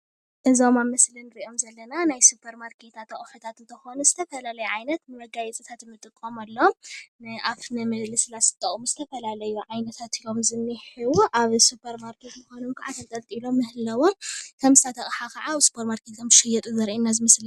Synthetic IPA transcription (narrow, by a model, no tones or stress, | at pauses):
ʔɐzaomamɐslɐnɨɾiʔo̞mzɐlːɐnanajsupʰɐɾmaɾkʰet̪ʰat̪ʰːɐχʼħut̪ʰat̪ɨnt̪ʰɐxo̞nuzɨt̪ʰɐfɐlalɐjuʕajnɐt̪nɨwɐɡajɛt͡sʼɨt̪ʰat̪mːɨt̪ʼɨkʼːomalːomnɨʔafnɨmɐlɨsɨlasʰɨt̪ʼɐχʼmuzɨt̪ʰɐfɐlalɐjuʕajnɐt̪ʰat̪ilomzɨnːɨħiwuʔaβsupʰɐɾmaɾkʰet̪mɨxonomkʰaʕat̪ʰɐnt̪ʼɐlt̪ʼilo̞mːɨhɨlɐwo̞mkʰɐmsat̪ʰɐχʼħakʰɐʕaβsu̥pʰoɾmaɾkʰet̪kʰɐmɨʃɐjɛt̪ʼuzɐɾʔinːazɨmɐsl